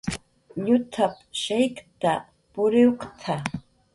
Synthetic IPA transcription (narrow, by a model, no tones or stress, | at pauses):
ʎʊt̪ʰap | ʃajkt̪a | pʊɾɪwqt̪ʰa